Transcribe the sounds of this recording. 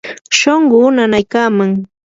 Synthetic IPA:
ʃoɴɢʊnanajkaːmaŋ

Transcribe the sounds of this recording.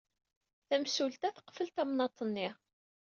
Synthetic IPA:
θæmsult̪æθə̥qːfəlt̪æmnɑt̪ˤːənːiʁ

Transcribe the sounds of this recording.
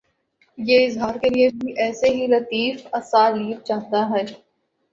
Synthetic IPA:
jeɪzɦaːɾkeliebʱiʔɛːseɦilɐt̪iːfɐsaːɾliːbt͡ʃaːɦt̪aɦɛː

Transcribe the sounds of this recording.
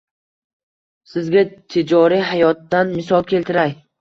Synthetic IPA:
sɪzɡʲat̪ʰed͡ʒɒɾiɦajɒt̪ːanmɪsɒlˠkʲʰe̞lt̪ɪɾaj

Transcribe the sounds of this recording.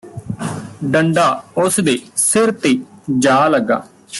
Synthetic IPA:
ɖəɳɖaːʊsd̪eːsɪɾt̪eːd͡ʒaːləɡːa̰ː

